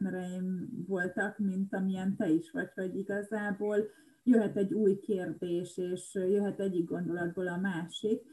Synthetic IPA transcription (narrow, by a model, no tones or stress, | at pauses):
mɛɾɛjiɱvo̞lt̪ɒkmint̪ɒmiɛnt̪ɛiʃʋɒcho̞ɟiɡɒzaːboːl | jø̞ɦɛt̪ɛɟːuːjkeːrd̪eːʃeːʃjøɦɛt̪ɛɟːiɡ̚ɡo̞nd̪o̞lɒd̪̚boːlɒmaːʃik